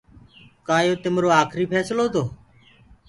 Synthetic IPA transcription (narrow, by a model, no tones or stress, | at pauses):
kaːjoːt̪ɪmɾoːaːkʰɾiːpʰɛːsloːt̪ʰoː